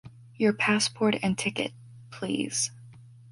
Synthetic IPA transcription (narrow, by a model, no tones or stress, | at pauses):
jə˞pʰæspʰɔɹɾɨ̃ntʰɪkɨ̰t̚ | pʰl̥ḭz̥